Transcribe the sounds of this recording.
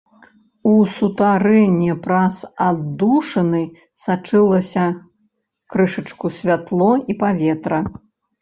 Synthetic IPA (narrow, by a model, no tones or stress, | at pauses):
usut̪aɾɛnʲːɛpɾazad̪uʂɐnɨ | sat͡ʂɨlˠɐsʲɐ | kɾɨʂɐt͡ʂkusʲvʲat̪lˠɔipavʲɛt̪ɾɐ